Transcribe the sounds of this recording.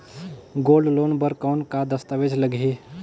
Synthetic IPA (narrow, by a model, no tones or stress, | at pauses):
ɡoːlɖloːnbəɾkɔːnkad̪əst̪əʋeːd͡ʒləɡʱiː